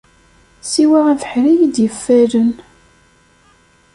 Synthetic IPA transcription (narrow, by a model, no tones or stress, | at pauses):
siwæʁænfə̥ħɾijid̪jəfːæɾən